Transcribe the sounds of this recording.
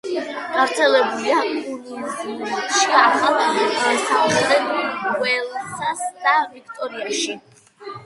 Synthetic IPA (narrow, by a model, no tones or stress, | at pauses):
maɾt̪sʰɛlɛbuliauɾuulɛt̪ʃiaχat̪ʰmatɛsaχɛd̪ɛnwɛlˠsasd̪avik̚ʰt̪ʼɔɾiaʃi